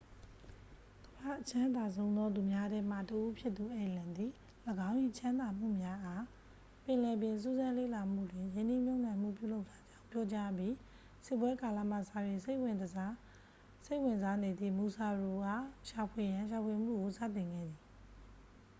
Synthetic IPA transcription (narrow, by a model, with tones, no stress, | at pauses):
ɡ̥əba̰˦˨ʔət͡ɕʰã˦nd̪a˨s̬ʰõ˦ʊ̃nd̪ɔ˦d̪u˨mja˦dɛ˦m̥a̰˦˨təʔu˦pʰjɪ˦t̪t̪ːu˨ʔe˨lã˨nd̪i˨ | ləɡã˦ʊ̃ʔi˨t͡ɕʰã˦nd̪a˨m̥ṵ˦˨mja˦ʔa˦ | pɪ̃˨lɛ˨bjɪ̃˨ns̬u˦zã˦lḛ˦˨la˨m̥ṵ˦˨dwɪ̃˨jɪ̃˦nd̪i˦˨m̥jõ˦˨nã˨m̥ṵ˦˨pjṵ˦˨lo˦ʊtʰːa˦d͡ʑã˦ʊ̃pjɔ˦t͡ɕa˦bji˦ | sɪ˦˨p̬wɛ˦ka˨la̰˦˨m̥ä̰˦˨sa̰˦˨jɪ̃˨se˦wɪ̃˨ | se˦ɪʔwɪ̃˨nza˦ne˨d̪ðḭ˦˨mu˨sa˨ɹo˨ɡa̰˦˨ʃa˨pʰwe˨jã˨ʃ̬a˨pʰwe˨m̥ṵ˦˨ɡo˨sa̰˦˨tɪ̃˨ŋɡɛ̰˦˨d̪ði˨